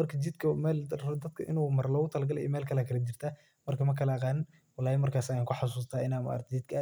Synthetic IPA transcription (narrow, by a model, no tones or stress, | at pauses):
mɐrkʰɐt͡ʃɪd̪̚kʰɐmɛːld̪ɐd̪kʰɐʔɪ̰nuːmɐrlɔːʊt̪ʰɐlɐɡɐlɛ̰jɛmɛːlkʰɐlakʰɐlɐt͡ʃɪr̥t̪ʰa | mɐrkʰɐmɐkʰɐlɐɑqɑːnɪn | wɐlaːjɛmɐrkʰaːsjaːŋkʰʊħas̬uːs̬t̪ʰaːɪnaːma̰ːɾt̪d͡ʒɪd̪̚kʰɐ